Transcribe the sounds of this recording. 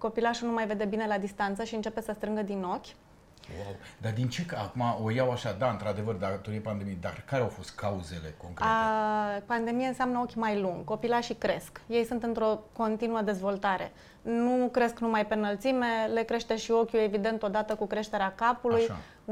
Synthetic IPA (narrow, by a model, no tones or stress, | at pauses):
ko̞pilaʃunumajve̞d̪e̞bine̞lad̪ist̪ant̪səʃiɨnt͡ʃe̞pe̞səst̪ɾɨŋɡəd̪ino̞kʲ | wawd̪ad̪int͡ʃe̞kaakumaojawaʃad̪aɨnt̪ɾad̪e̞vərd̪aɡt̪oɾiepand̪e̞mijed̪a̰kaɾeawfo̞st̪̚kʰauze̞le̞̰ko̞ŋkɾ | pand̪e̞mijeɨnseamnəo̞kʲmajluŋɡko̞pilaʃikɾe̞skje̞jsunt̪ɨnt̪ɾo̞ko̞nt̪inuəd̪e̞zvo̞lt̪aɾe̞̰ | nukɾe̞sknumajpe̞nəlt̪sime̞le̞kɾe̞ʃt̪e̞ʃio̞kʲue̞vid̪e̞nt̪o̞d̪at̪əkukɾe̞ʃt̪e̞ɾeakapuluja̰